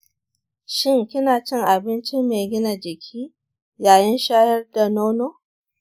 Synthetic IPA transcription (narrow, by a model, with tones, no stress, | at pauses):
ʃɪ˦˨ŋkʲɪ˦naː˨t͡ʃɪ˦˨ŋʔa˨bɪ˦nt͡ʃɪ˦mːeː˨ɡʲɪ˦na˨d͡ʒɪ˨kʲʰiː˦ | jaː˨jɪ˦nʃaː˦jɐ˦rda˨noː˦noː˦